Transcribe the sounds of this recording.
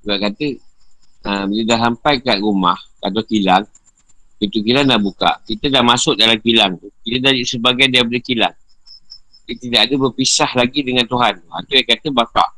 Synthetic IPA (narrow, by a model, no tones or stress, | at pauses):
uaʔkat̪ə | əbələdaɦampajkaʔ̪̚ɾumahka̰t̪awkilaŋ | pit̪ukilanlahbuka̰ʔkit̪ədahmasʊʔ̚dalamkilaŋt̪ukit̪ədaisəbaɡajdiapadəkila̰ŋ | dət̪idaʔadəbəpisahlaɡidəŋãnt̪uɦant̪uɦa̰nt̪ajakat̪əbaka̰ʔ